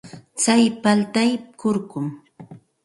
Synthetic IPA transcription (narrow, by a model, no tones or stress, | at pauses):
t͡sajpalt̪ajkʊɾkʊm